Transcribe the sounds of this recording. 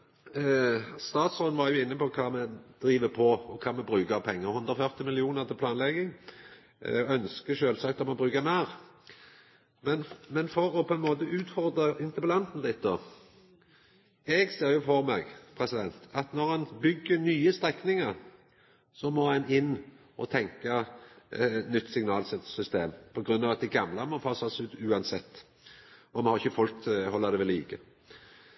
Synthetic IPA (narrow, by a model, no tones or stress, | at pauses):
st̪ɑːt̪sɔnʋɑɾjʊɪnːəpɔkʰɑːmɛd̪̥ɾiːʋəpʰɔɔkʰɑːmɛbʁʉːkəpʰɛŋːəʁhʉnd̪ɾʁɔfœʁt̪ɪmɪlɪuːnəʁt̪ʰɪplɑːnlɛɡːɪŋ | œnskəʃøːlsɑk̚t̪ɔmɛbʁʉːkəmæːʁ | mɛnmɛnfɔɾɔpʰɔɛnmoːt̪əʉːt̪fɔʁd̪ʁəɪnt̪əpəlɑnt̪n̩lɪt̪̚ːd̪o̰ː | ɛɡseːɾjʊfɔʁmɛːɡpʰʁɛsɪd̪ɛnt̪ɑt̪nɔʁɛnbʏɡːənyːəst̪ʁɛknɪŋəʁ | sɔmɔɛnɪnː | ʔɔ̰t̪ʰɛŋkɑ | nʏt̪ːsɪŋnɑːlsɛt̪sʏst̪eːmpʰɔɡʁʉnːɑːʋɑt̪̚d̪ɪɡɑmlɑmɔfʰɑːsɑsʉːt̪ʉːɑnsɛt̪ː | ɔmɛhɑʁɪçəfɔlk̪hɔlːɑd̪ɛʋɛliːkə